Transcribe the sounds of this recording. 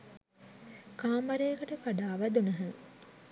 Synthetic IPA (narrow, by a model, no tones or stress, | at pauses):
kaːmɐɾejɐkɐʈəfaɖaːʋæd̪unɐɦɐŋ